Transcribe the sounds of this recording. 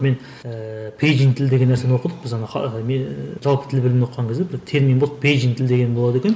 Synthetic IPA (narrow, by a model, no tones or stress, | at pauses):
me̞n | pʰejd͡ʒiŋt̪ʰɪld̪eɡʲe̞nːæɾsenwo̞qəd̪əq̚b̥ɪzɑnɑɑmeʒɑlˠpət̪ʰɪlbɪlɪmnwoq̪qːɑŋkʲezd̪ebɪɾt̪ʰe̞ɾminboəqpʰejd͡ʒiŋt̪ʰɪld̪eɡʲe̞nbo̞lˠɑd̪e̞kʲe̞n